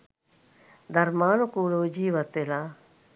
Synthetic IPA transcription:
d̪ɐɾmaːnokuːloːd͡ʒiːʋət̪ːelaː

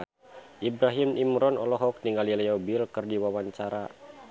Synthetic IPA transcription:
ʔibɾaɦimʔimɾɔnɔ̰lɔɦɔk̚niŋalilɛɔbilkɨrdiwawaɲt͡ʃaɾa

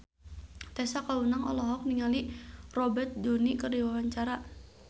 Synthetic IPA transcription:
t̪ɛsakaunaŋɔ̰lɔɦɔk̚niŋalirɔbɛt̪̚donikərdiwawaɲt͡ʃaɾa

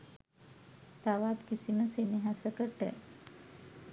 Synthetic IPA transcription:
t̪aʋat̪kisinəseniɦasəkəʈːḛ

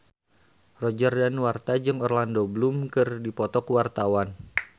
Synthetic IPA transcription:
rɔd͡ʒərdanwart̪ad͡ʒɨŋɔrlandobəlumkɨrdipɔt̪ɔkwart̪awan

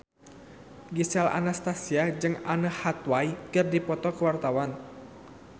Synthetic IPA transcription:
ɡisala̰nast̪asiad͡ʒɨŋanəhat̪waikɨrdipɔt̪ɔkəwart̪awan

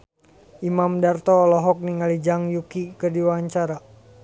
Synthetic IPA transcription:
ʔimamdart̪ɔlɔɦɔk̚niŋalid͡ʒaŋjukikədiwaɲt͡ʃaɾa

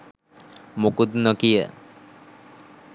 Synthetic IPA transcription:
mokud̪nɔkijə̰

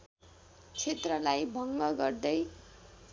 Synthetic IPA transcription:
t͡sʰet̪rʌlajbʱʌŋɡʌɡʌrd̪ʌj

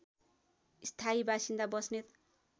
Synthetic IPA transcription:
ist̪ʰaibasind̪abʌsnet̪

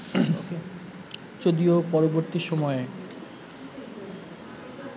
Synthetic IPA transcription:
t͡ɕod̪iopɔɾoboɾt̪iʃɔmɔe

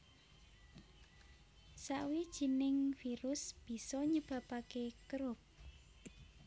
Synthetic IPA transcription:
saʔwid̥ʒ̥i̤nɪŋfiɾʊsb̥i̤sɔɲəb̥ä̤pakekɾʊp̚

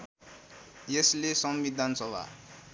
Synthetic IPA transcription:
jeslesʌmbid̪ʱansʌba̰

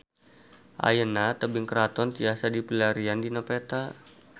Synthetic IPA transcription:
ʔa̰jənat̪əbɪŋkəɾat̪ɔnt̪iasadipilaɾiandinɔpet̪a

